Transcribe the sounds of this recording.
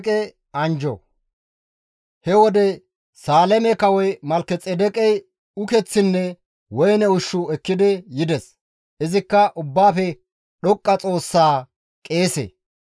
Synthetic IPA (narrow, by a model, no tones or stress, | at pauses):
kʼɛ | ɐnd͡ʒɔ̰ | hɛwɔd̪ɛ | saːlɛmɛkɐwɔjmɐlkɛt͡sʼːɛd̪ɛkʼɛj | ʊkɛt͡sːɪnːɛ | wɔjnɛʊʃːʊɛkːɪd̪ɪjɪd̪ɛs | ʔɪzɪkːɐʔʊbːaːfɛ | ɗɔkʼːɐt͡sʼo̞ːsːaː | kʼe̞ːsḛ